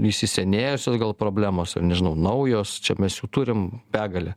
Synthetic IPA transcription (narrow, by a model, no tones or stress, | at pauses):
iʃʲsʲɪsʲɛnʲeːjʊsʲoːsɡɐlˠpɾoːbʲlʲæːmoːsɪ̰rnʲɛʒʲɪnʊnɐʊjoːst͡ʃʲɛmʲɛsjuːt̪uːɾʲɪmbʲæːɡɐlʲɛ